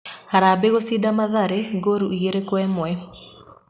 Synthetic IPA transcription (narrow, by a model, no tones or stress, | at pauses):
aɾabeɣosidamaðaɾeɡoɾuiɣeɾekwɛmwɛ